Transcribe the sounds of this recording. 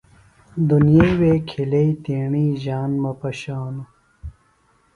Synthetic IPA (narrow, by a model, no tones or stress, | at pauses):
d̪unijejweːkʰileit̪iːɳiːʑaːnmɐpɐɕaːnu